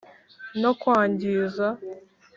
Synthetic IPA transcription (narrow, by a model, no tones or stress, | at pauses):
nokwaːɲɟiːza